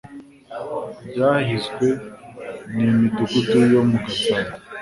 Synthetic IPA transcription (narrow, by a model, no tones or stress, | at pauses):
bɟaːhiskwe | nimitukutijomuɡasan